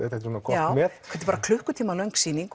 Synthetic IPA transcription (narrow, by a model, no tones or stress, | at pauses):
ɛt̪ɛht̪ɾhunkʰɔjaːwmɛt̪kʰvɛt̪ɪpaːɾakʰlʏhkʏt̪ʰiːmalœŋksiːniŋk